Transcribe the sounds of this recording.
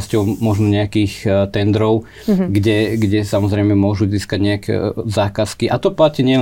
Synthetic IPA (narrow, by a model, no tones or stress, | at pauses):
scɔʊmɔʒnɔɲɛakiːxt̪ɛnd̪ɾɔʊ | ɡɟɛɡɟɛsamɔzɾɛɪmɛmʊɔʒuziːskaɟɲɛakɛ̰zaːkaskiʔat̪ɔplaciɲɪɛ